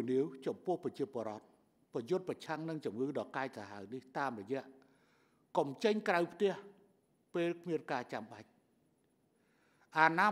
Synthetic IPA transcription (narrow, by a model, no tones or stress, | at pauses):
niəwt͡ɕɑmpʊ̆əhpɑt͡ɕiəpoəɾŏət̪̚ | prɑjʊt̪̚prɑt͡ɕʰaŋnɨŋt͡ɕumŋɨːɗɑːkaɛc̚saɦaəwniht̪aːmrɔjɛ̆əʔ | kɑmt͡ɕəɲkrawpʰt̪ɛ̆əh | peːlkʰmiənkaːt͡ɕamɓac̚ | ʔaːnaː